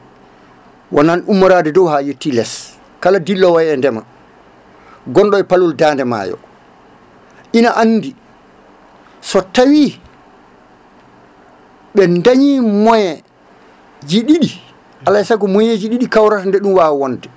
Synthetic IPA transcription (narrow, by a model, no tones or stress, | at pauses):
wananumːaɾadɛdɔwhajetːilɛs | kaladilːɔwajɛndɛma̰ | ɡɔnɗɔɛpaluldaːndɛma̰jɔ̰ | ʔinaʔanːdi | sɔtawi | ɓɛndaɲiːmɔjɛ | d͡ʒiɗiɗi | alajsaɡɔmɔjed͡ʒiɗiɗikawɾatandɛɗumwaːwwɔndɛ